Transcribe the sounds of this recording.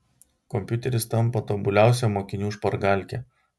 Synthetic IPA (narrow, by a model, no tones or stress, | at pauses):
kɔmʲpʲjʊt̪ʲɛɾʲɪst̪ɐmˑpɐt̪oːbʊlʲæˑʊs̬ʲɛmoːkʲɪnʲuːʃpɐɾɡɑˑlʲkʲɛ